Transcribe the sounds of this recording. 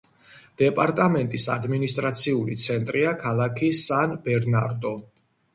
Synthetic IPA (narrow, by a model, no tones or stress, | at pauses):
d̪̥ɛpʼaɾt̪ʼamɛnt̪ʼisa̰d̪minist̪ʼɾat̪sʰiulḭt̪sʰɛnt̪ʼɾiakʰalˠakʰisanbɛɾnaɾd̪ɔ